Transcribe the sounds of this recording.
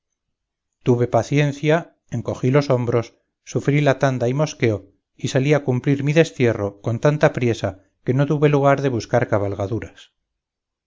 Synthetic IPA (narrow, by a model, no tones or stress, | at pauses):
t̪uβe̞paθje̞n̟θja | eŋko̞xilo̞so̞mbɾo̞sː | ufɾilat̪and̪aimo̞ske̞o | isaliakumpliɾmiðe̞st̪je̞ro̞ko̞nt̪ant̪apɾje̞sa | ke̞no̞t̪̬uβe̞luɣ̞aɾðe̞βuskaɾkaβalɣaðuɾas